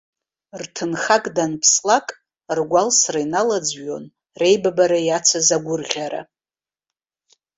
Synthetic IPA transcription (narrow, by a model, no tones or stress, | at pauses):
rtʰɨnχakʼdanpʰslakʼ | rɡʷalsrainalad͡zɥo̞n | re̞jbabaɾajat͡sʰazaɡʷʊrʁʲaɾa̰